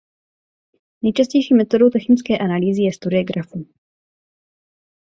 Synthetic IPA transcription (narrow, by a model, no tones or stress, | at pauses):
nɛjt͡ʃascɛjʃiːmɛt̪odo̞wt̪ɛxnɪt͡skɛːʔanaliːzɪjɛst̪uɾɪoɡɾafu